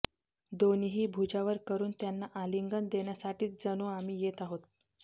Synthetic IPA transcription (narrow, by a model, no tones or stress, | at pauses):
d̪oniɦiːbʱud͡ʑaʋəɾkəɾuːnt̪janːaʔaliŋɡənd̪eɳjasaʈiːt͡sd͡zənoamiːjet̪aɦot̪̚